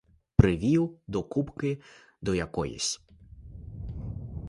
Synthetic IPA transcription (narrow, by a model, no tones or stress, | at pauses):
pɾɪʋʲiwd̪ɔkupkɪ | d̪ɔjakɔjḭsʲ